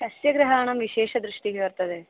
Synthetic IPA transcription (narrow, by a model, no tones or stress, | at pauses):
ʃɐsjɐɡɾɐɦaːɳɐmʋiʃeːʃɐd̪ɾuʂʈiɡeɐɾt̪ɐd̪e